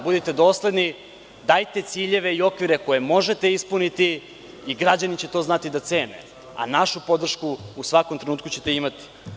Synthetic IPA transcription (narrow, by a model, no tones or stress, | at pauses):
bud̪it̪e̞d̪o̞ːsle̞d̪ni | d̪ajt̪e̞t̪siːʎe̞ʋe̞io̞kʋiɾeko̞je̞mo̞ʒe̞t̪e̞ispunit̪iː | ɡɾad͡ʑanit͡ɕe̞t̪o̞ːznat̪id̪at̪se̞ːnḛ | a̰naʃupo̞d̪r̩ʃkuːsʋakomt̪ɾe̞nuːt̪kut͡ɕe̞̥t̪e̞imat̪i̥